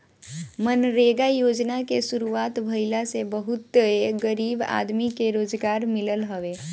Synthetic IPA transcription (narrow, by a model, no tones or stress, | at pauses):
mənɾeɡajod͡ʒnakesuɾuat̪bʱəjlasebəɦut̪ːəeɡəɾiba̰d̪mikeɾod͡ʒɡaɾmiləlɦəʋe